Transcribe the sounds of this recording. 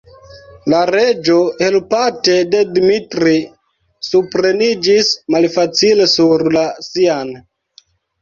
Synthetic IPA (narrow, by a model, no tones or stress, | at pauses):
laɾe̞d͡ʒo̞helpate̞de̞dmitɾi | supɾe̞nid͡ʒismalfat͡sile̞suɾlasian